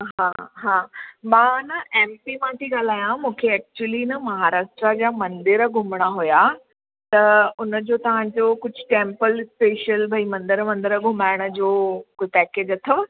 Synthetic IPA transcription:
ɦãːɦãːmãːnɐʔẽːmpimãt̪ʰiɠaːl̤aːjãmũːkʰeɛːk̚t͡ɕuəlinɐmɐɦaːɾaːʃʈɾad͡ʑaːmɐ̃nd̪ɪɾɡʱʊmɽ̃aɦuja | t̪ɐʊnəd͡ʑoːt̪ɐʋ̤ãd͡ʑoːkʊd͡ʑʱʊ̥̆ʈẽːmpəlspeːʃəlbʱɐimɐ̃nd̪ɪɾmɐ̃nd̪ɪɾəɡʱʊmaːɪɽ̃ə̆d͡ʑoːkʊpɛːkeːd͡ʑɐt̪ʰəʋ

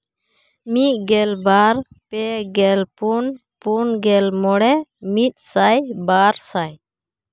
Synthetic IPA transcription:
mit̪̚ˀɡɛlbaɾ | pɛɡɛlpunpunɡɛlmɔɽɛmit̪̚ˀsajbaɾsaj

